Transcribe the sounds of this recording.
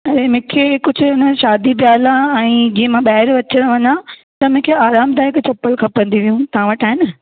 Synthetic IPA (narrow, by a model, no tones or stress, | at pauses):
ɐɾemʊ̃ɦkʰekʊd͡ʑʱʊ̆ʊnəʃaːd̪ibjaːlãɛ̃ːd͡ʑiːə̃mãɓaɦɪɾʋɐt͡ɕəɽ̃ʋɐɲat̪ɐmʊ̃kʰeaːɾaːmd̪aːɪkt͡ɕɐpːəlkʰɐpɐ̃nd̪iʋijũt̪ɐɦãʋɐʈʰaːɦɪnə